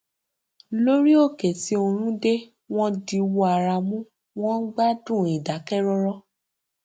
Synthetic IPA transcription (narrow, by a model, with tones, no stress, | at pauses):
lo˦ɾi˦o˦˨ke˨ti˨˦o˧ɾ̃ũ˦de˦ | w̃ɔ̃˦di˧wɔ˧˦a˨ɾa˧mũ˦ | w̃ɔ̃˦ɡ͡ba˦dũ˦˨i˨da˨˦kɛ˦ɾɔ˧ɾɔ˦